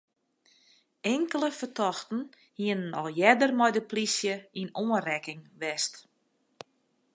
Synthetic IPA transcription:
ɛŋkələfərtʰɔxtn̩ | hiənənɔ̰lˠjɛdərmɔjdəplisjəinoənrɛkɪŋʋɛst

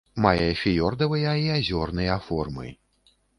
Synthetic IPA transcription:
majɐfʲijɔrd̪ɐvɨjɐiazʲɔrnɨjɐafɔ̰rmɨ̰

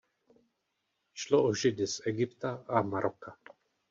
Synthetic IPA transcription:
ʃloʔɔʒɪd̪ɪsɛɡɪpt̪aʔamaɾʔoka

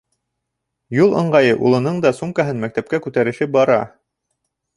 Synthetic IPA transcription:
julˠɤ̰̆ɴɢɑjɤʔṵlˠɤ̆nɤɴd̪ɑsumkɑɦɤnmæk̚t̪æp̚kækʉt̪æɾɘ̆ʃɘbɑɾɑ̰

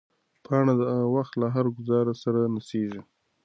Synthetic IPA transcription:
pʰɑɳad̪əaɣawaxt̪laɦaɾɡʊzɑɾasaɾanaseʒi

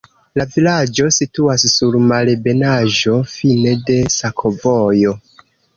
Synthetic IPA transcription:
lavilad͡ʒo̞situassuɾmalebe̞naʒo̞fine̞de̞sakʰovojo̞

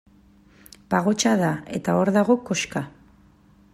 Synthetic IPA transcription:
paɣ̞o̞t͡ʃaðae̞̰t̪ao̞ɾðaɣo̞ko̞ʃka

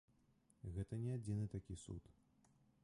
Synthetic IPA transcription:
ɣɛt̪ɐnʲɛad͡zʲinɨt̪akʲisṵt̪

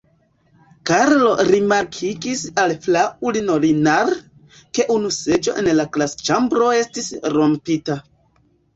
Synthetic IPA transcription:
kaɾlo̞ɾimaɾkʰiɡisalflaʔulino̞linaɾ | ke̞ʔunuse̞d͡ʒo̞̰ʔe̞nlaklast͡ʃambɾo̞e̞stisɾo̞mpita

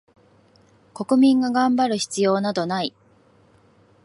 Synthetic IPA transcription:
ko̞kɯ̟mʲĩŋɡaɡãmbaɾɯ̟çi̥t͡sɨjo̞ːnad̪o̞nai

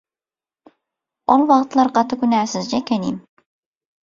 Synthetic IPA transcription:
olˠwɑqt̪lˠɑɾqʰɑt̪ʰɨkʲynæːsɪzd͡ʒɛkʲʰænim

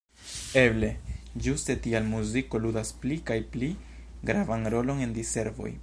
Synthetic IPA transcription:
eble̞d͡ʒuste̞tialmuziko̞ludasplikajpli | ɡɾavanɾo̞lo̞ne̞ndise̞ɾvo̞̰j

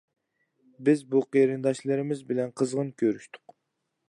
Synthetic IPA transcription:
bɪzbuqeɾɨnd̪ɑʃlˠɨɾɪmɪzbɪlɛnqʰəzʁənkʲʰøɾyʃt̪ʰʊ̥q

